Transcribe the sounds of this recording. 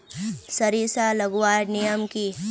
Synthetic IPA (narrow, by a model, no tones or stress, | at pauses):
sɐɾisalɐɡwaːɾnɪjəmki